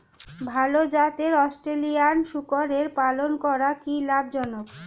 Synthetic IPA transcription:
bʱalod͡ʑat̪eɾɔsʈɾelianʃukoɾeɾpalonkɔɾakilabʱd͡ʑɔnok

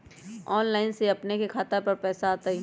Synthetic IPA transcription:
ɔːnlaːɪnseɐpnekekʰaːt̪əɾpɐɾpɛːsaːt̪aɦi

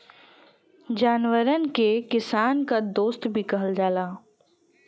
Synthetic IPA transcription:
d͡ʒaːnwəɾənkekɪsaːnkad̪oːst̪bʱikɐɦəld͡ʒaːlaː

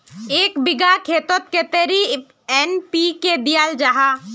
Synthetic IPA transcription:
eːkbɪɡakʰeːt̪ət̪̚ket̪eɾi | ɛnpiked̪ijald͡ʒaɦa

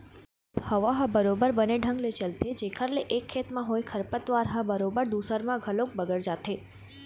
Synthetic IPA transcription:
həʋaɦə̃bəɾobəɾbəneɖʱə̃ŋɡlet͡ʃəlt̪ed͡ʒekʰəɾleʔekʰːet̪mãɦojkʰəɾpət̪ʋaɾɦə̃bəɾobəɾd̪usəɾmãɡʱəlok̚bəɡəɾd͡ʒat̪ʰe

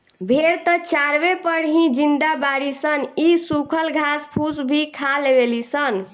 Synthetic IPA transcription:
bʱeɾt̪ət͡ʃaɾbepəɽɦĩd͡ʒind̪abaɽisənisukʰəlɡʱaspʰusbʱikʰalebelisən

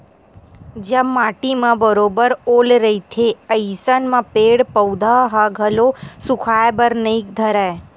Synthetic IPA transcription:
d͡ʒəmːaʈimãbəɾobəɾolɾəit̪ʰeəjsənmãpeɽpəwd̪ʱaɦaɡʱəlosukʰaebəɾnəik̚d̪ʱəɾa

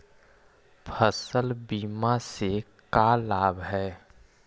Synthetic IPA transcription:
pʰəsəlbiːmase | kalaːbɦɛː

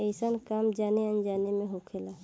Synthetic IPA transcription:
eɪsənkaːmd͡ʒaːneə̃nd͡ʒaːnemẽɦokʰela

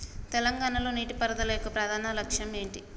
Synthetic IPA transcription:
t̪ɛlɐŋɡaːɳɐlo̞ːniːʈipɐɾɐd̪ɐlɐjɔkːɐpɾaːd̪ʱaːnɐlɐkʂjɐme̞ːɳʈi

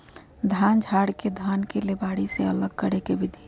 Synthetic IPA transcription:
d̪ʱand͡ʒʱaɽked̪ʱankelebaɽiseələɡ̚kəɽekebid̪ʱi

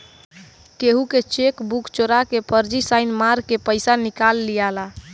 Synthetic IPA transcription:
keɦuket͡ʃekbukt͡ʃoɾakepəɾd͡ʒisaɪnmaɾkepəɪsanikalːijala

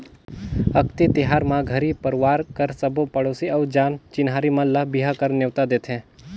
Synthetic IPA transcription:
əkt̪it̪ɪɦaːɾmãɡʱəɾipəɾʋaːɾkəɾsəbopɐɽosiɔːɾd͡ʒaːnt͡ʃɪnɦaːɾimãləɦbiɦakəɾneʋt̪ad̪eːt̪ʰẽː

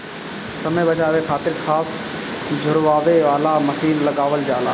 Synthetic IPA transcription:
sɐmebɐt͡ɕaːʋekʰaːt̪ɪɾxʰaːs | d͡ʑʱʊɾʋaːʋeʋaːlamɐsiːnlɐɠaːʋəld͡ʑaːlaː

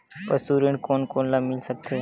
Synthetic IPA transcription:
pəsuːɾəɳkoːnkoːnlabmɪlsək̚t̪ʰe

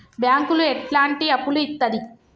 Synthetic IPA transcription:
bjaːŋkulueʈlaːɳʈiɐpːuluit̪ːɐd̪i

